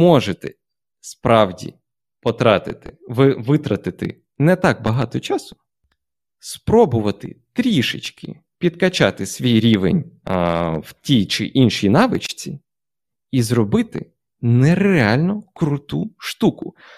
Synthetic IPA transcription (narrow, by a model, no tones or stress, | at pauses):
mɔʒet̪ɛ | spɾɑwdʲḭ | pɔt̪ɾɑt̪ɪt̪ɪʋɪʋɪt̪ɾɐt̪ɪt̪ɪ̰ | nɛt̪ɑk̚bɐɦɑt̪ɔt͡ʃɑsʊ̥ | spɾɔbʊʋɐt̪ɪ̰t̪ɾʲiʃɪ̰t͡ʃkɪ̰ | pʲid̪kɐt͡ʃɑt̪ɪsʲʋʲijɾʲiʋḛnʲ | wtʲijt͡ʃɪ̰ʔinʃinɑʋɪt͡ʃt͡sʲi | izrɔbɪt̪ɪ̰ | nɛreɑlʲnɔkɾʊt̪uʃt̪ukʊ